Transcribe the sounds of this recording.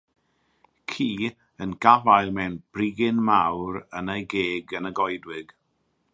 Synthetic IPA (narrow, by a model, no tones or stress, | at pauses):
kʰiː | ənɡavajlˠmɛwnb̥rɪɡɪnmawɾənejɡeːɡənəɡɔjdwɪɡ̥